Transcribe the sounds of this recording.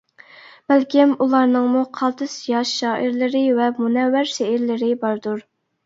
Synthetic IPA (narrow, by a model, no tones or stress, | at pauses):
b̥ælkʲimulˠɑɾnɨŋmuqʰɑlˠt̪ʰɨsjɑʃːɑːʔiɾlɪɾɪvɛmunɛwːæɾʃeɦɪɾlɪɾɪbɑɾd̪uɾ